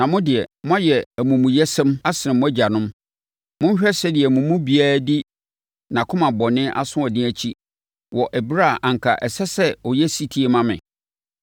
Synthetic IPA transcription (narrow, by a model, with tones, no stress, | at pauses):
nã˨mʊ̃˦dɪ˨ɛ˨mʊ̃˦a˦jɛ˨æ˨mũ˨mũ˨jɛ˦sɛ̃˦ma˦sɪ˨ɪ̃˨mʊ̃˦æ˦d͡ʑa˨nʊ̃˦m | mʊ̃˦ɲ˦ɕᶣɛ˦sɛ˦dɪ˨ɛ˨mũ˨mũ˦bi˦a˦di˦ | nã˨kʰʊ̃˦mã˨bɔ˨nɪ̃˦ʔa̰˦sʊ̃˦ɔ˨dɪ̃˦æ˨t͡ɕʰi˦ | wɔ˨ʔɛ˨bɾa˦˨ʔã˨ŋ̩˨kʰa˨ʔɛ˨sɛ˦sɛ˦ɔ˨jɛ˦si˦tʰi˦e˦mã˦mɪ̰̃˨